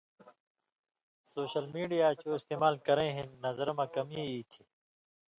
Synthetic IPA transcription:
soːɕəlmiːɖijaːt͡ɕoːist̪eːmaːlkɐɾẽːɦẽnɐzɾmɐkɐmiiːt̪ʰi

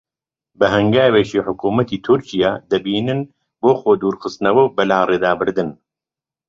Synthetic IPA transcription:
bɨɦɐŋɡaːweːʃiːħʊkuːmɐt̪ʰiːt̪ʰʊɾt͡ʃijaːd̪ɐbiːnɨn | boːxoːd̪uːɾxɨst̪nɐwɐwbɐlaːreːd̪aːbɨɾd̪ɨn

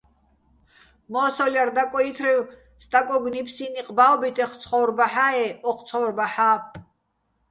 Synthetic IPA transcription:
mɔːsɔljard̪akʼɔit̪ʰriw | st̪ʼakʼɔɡnipʰsiniqʼbaɔbit̪ʰʼɛχt͡sʰχɔwɾbaħaɛɔχt͡sʰɔwrbaħaː

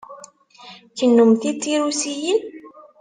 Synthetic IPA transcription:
çənːumθit̪ːiɾusijin

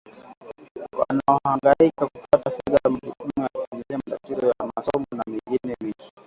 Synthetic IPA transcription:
wa̰naɔhaŋɡaikaku̥patafɛðaam̩ɗukumujakufamiliamatatizɔjamasɔmɔnamiŋɡinɛmiki̥

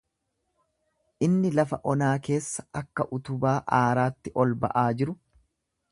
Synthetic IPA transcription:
ʔɪnːɪlɐfɐʔɔnaːke̞ːsːɐɐkːɐʔʊt̪ʊbaːʔaːɾaːt̪ːɪʔɔlbɐ̰ʔaːd͡ʒɪɾʊ

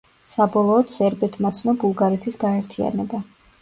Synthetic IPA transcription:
sabɔlˠɔːd̪sɛɾbɛt̪ʰmat̪sʰnɔbulˠɡaɾɛt̪ʰisɡaɛɾt̪ʰia̰nɛba

